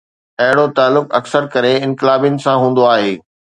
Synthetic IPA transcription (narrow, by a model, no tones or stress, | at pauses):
ɐɦɪɽ̃ot̪aːlːʊkɐ̰ksəɾkɐɾeɪ̃nkɪlaːbijʊnɪ̆sãɦũːn̆d̪oaːɦeː